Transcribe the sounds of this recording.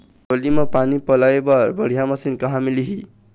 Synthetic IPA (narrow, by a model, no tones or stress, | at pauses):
olimapanipʌlajebabʌɽ̤ijamʌsinkʌɦamiliɦi